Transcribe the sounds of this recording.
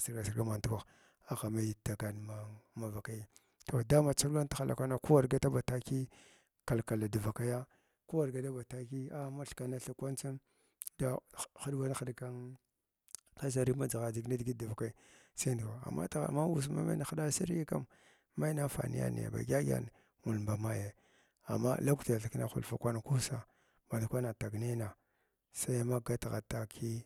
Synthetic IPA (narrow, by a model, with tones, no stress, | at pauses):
si˨ɾɡa˨si˨ɾɡa˦ma˨n˨tu˦kʷa˨x | a˨xa˨ma˦ji˨ta˨ka˨n˨ma˨ma˨va˨ka˦ji˦ | to˨da˦ma˨t͡sa˦a˦n˦ta˦xa˨lʔa̰˨kʷa˦na˦ku˦wa˨ɾɡa˦ta˦ba˨ta˦ki˦ | ka˨lka˨la˨da˨va˨ka˦ja˦ | ku˦wa˨ɾɡa˨da˦ba˨ta˦ki˦a˦ma˦ɬka˨na˦ɬa˨kʷa˦nt͡sa˦n | da˦xa˦dba˦n˦xa˨dka˦n | ka˦s̬a˨ɾi˦ma˦d͡za˨ɣa˨d͡ʒi˨ɡna˦dɡi˦da˨va˨ka˦i˦sa˦ndka˨a̰˨mːa̰˦tɣa̰˨ma˦wu˦s̬ma̰˦ma̰˦na˨xa˦da˦sa˦ɾja˦ka̰˦m | ma˦na˦fa̰˨nḭ˦a̰˦nḭ˨ja̰˨ba̰˨ɡʲa˦ɡʲa̰˦n˨ | ŋu˨lmba˨ma˦je˨ | a̰˨mːa̰˦la˦ku˦ta˨ɬa˨ki˦na̰˦xṵ˨lfa˨kʷa˦n˨ku˦sa˨ | ba˨lkʷa˦na˨ta˨ɡne˦na˨ | sa˦jma˦ɡa˦tɣa̰˨ta˨kʰi˦